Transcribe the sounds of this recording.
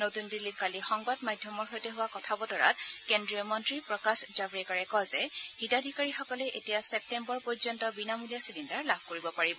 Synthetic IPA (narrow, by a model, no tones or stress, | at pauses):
notundilːit̚kalixɔŋbadmajdʱjɔmɔɹɦojtɛɦʊwakɔtʰabɔtɔɹa̰t̚kendɹiɔmɔntɹipɹɔkasd͡ʒabɹikaɹɛkɔzɛhitadʱikaɹixɔkɔlɛʔetijasɛp̚tɛmbɔɹpɔɹjzɔntɔbinamulijasidindaɹlabʱkoɹibɔpaɹibɔ